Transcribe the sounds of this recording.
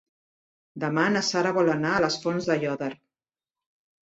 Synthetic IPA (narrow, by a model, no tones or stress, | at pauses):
d̪əmanəsaɾəβɔlənaələsfɔnzðəjɔðəɾ